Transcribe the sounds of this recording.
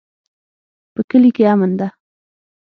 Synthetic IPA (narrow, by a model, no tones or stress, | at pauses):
pəkəlikeamənd̪a